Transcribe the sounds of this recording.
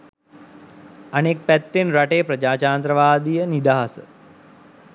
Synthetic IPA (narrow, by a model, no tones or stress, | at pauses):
anek̚pæt̪ːenɾaʈejpɾəd͡ʒaːt͡ʃaːnt̪ɾəʋaːd̪ijənid̪aːɦasə̰